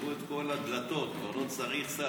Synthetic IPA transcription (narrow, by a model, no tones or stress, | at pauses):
uet̪ko̞lad̪lat̪o̞t̪̚kvaʁlo̞t͡saʁiχsa